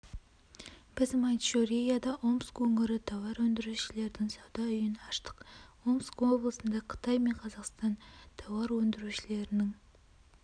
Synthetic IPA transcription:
b̥ɪzmɑnt̪ʃoɾijad̪ɑʔo̞mskwɵŋɪɾɪt̪ʰɑwɑɾwɵnd̪ɪɾuʃɪle̞ɾd̪ɪŋsɑwd̪ɑʏjɪnɑʃt̪ə̥qo̞mskwo̞blˠəsənd̪ɑqʰə̥t̪ɑjme̞ɴqʰɑzɑqst̪ɑnt̪ʰɑwɑɾwɵnd̪ɪɾuʃɪle̞ɾɪnɪŋ

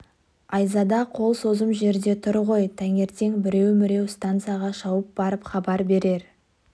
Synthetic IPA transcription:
ɑjzɑd̪ɑqʰo̞lˠso̞zəmʒe̞ɾd̪e̞t̪ʰʊɾʁo̞jt̪ʰæŋe̞ɾt̪e̞ŋbɪɾe̞wmɪɾe̞wst̪ant̪sɨjaʁɑʃɑwəp̚bɑɾəpχɑbɑɾbe̞ɾe̞ɾ

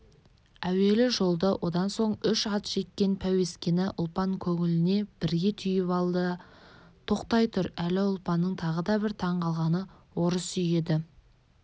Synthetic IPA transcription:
æwe̞lɪʒo̞lˠd̪ɑwʔo̞d̪ɑnso̞ɴʏʃɑt̪ʒ̥e̞kʲːe̞npʰæwe̞skʲe̞nɪʔʊlˠpɑŋkʲʰɵŋɪlɪne̞b̥ɪɾɡʲe̞t̪ʰʏjɪpɑlˠd̪ə | t̪ʰo̞qt̪ɑjt̪ʰʊɾælɪʊlˠpɑnːəɴt̪ʰɑʁəd̪ɑbɪɾt̪ʰɑɴqʰɑlˠʁɑnə | wo̞ɾəsʏje̞d̪ɪ

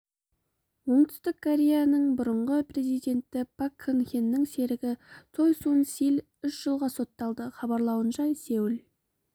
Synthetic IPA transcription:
wo̞ɴt̪ʰʏ̥st̪ɪkʰːoɾʲe̞janəɴbʊɾəɴʁəpre̞zijd̪e̞nt̪ɪpʰakʰːənxʲenːɪŋse̞ɾɪɡʲɪt̪ʰo̞jsuənsil | ʏʃʒ̥əlˠʁɑso̞t̪ːɑlˠd̪əχɑbɑɾlˠɑwənʃɑsewɪl

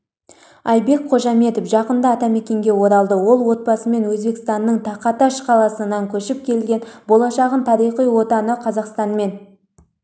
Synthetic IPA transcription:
ɑjbe̞k̚qʰo̞ʒɑme̞t̪ofʒɑqənd̪əɑt̪ɑme̞kʲe̞ŋɡʲe̞wo̞ɾɑlˠd̪əwo̞lˠwo̞t̪̚bɑsəme̞nwɵzbe̞kst̪ɑnːəɴt̪ʰɑqɑt̪ɑʃqʰɑlˠɑsənɑŋkʲʰɵʃɪp̚kʲʰe̞lɡʲe̞nbo̞lˠɑʃɑʁənt̪ʰɑɾijχijwo̞t̪ɑnəqʰɑzɑqst̪ɑnme̞n

